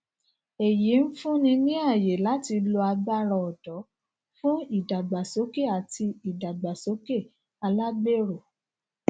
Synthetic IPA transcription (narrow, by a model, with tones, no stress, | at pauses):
e˨ji˨˦n̩˦fũ˦nĩ˧nĩ˦a˦˨je˨la˨˦ti˧lo˧a˧ɡ͡ba˦ɾɔ̃˧ɔ˨dɔ˨˦ | fũ˦i˦˨da˨ɡ͡ba˨so˨˦ke˦˨a˨ti˧i˨da˨ɡ͡ba˨so˨˦ke˦˨ | a˧la˦be˦˨ɾo˨